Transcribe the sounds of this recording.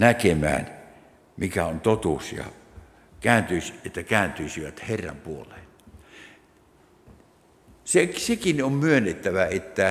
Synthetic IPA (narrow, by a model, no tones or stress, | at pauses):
nækemæ̰ːn | mikæont̪ot̪uːsjɑ̰ | kæːnt̪yiset̪ːækæːnt̪yisiʋæt̪herːɑ̰mpuolˑeːn | sesekinommyønːet̪ːæʋæet̪ːæ